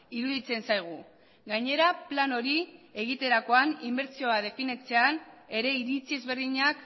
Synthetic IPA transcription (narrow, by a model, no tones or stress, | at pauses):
iɾuðit͡se̞nsajɣ̞u | ɡajɲe̞ɾaplano̞ɾie̞ɣ̞it̪e̞ɾako̞animbe̞ɾt͡sio̞að̞e̞finet͡se̞ane̞ɾe̞iɾit͡sie̞zβe̞ɾðiɲak